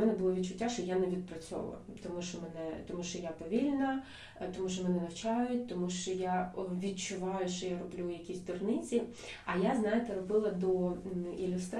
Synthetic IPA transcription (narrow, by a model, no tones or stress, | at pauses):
mɛnɛbʊlˠɔʋʲid̚t͡ʃʊtʲːaʃt͡ʃɔjanɛʋʲid̪̚pɾɐt͡sʲɔ̰ʋɐ̰lˠɐ̰ | t̪ɔmuʃt͡ʃɔmɛnɛt̪ɔmuʃt͡ʃɔjapɔʋʲilʲnɐ | t̪ɔmuʃ̬t͡ʃɔmɛnɛnɐwt͡ʃɑjʊtʲt̪ɔmuʃt͡ʃɔjaʋʲid̪̚t͡ʃʊʋɑjʊʃt͡ʃɔjaɾɔblʲujɐkʲisʲt̪ɔrnɪt͡sʲi | ɐjaznɑjet̪eɾɔbɪlˠɐd̪ɔilʲʊst̪